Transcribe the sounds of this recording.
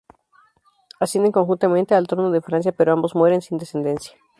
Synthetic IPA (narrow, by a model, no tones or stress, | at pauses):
asjend̪eŋko̞ŋxunt̪ament̪ealt̪ɾo̞noðefɾans̬japeɾoambo̞zmwe̞ɾe̞nsind̪e̞se̞nd̪e̞nsjḁ